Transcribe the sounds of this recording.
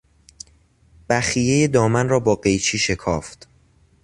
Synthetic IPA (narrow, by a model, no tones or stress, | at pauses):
b̥æxije̞jed̪ɒːmænrɒːbɒːɢe̞jt͡ʃʰiːʃe̞kʰɒːft̪